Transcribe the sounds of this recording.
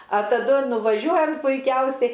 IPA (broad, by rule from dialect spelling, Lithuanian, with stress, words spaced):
ɐ tɐˈdʊ nʊʋɐˈʒʲuɔjɛm pʊɪˈkʲɛʊsʲɛɪ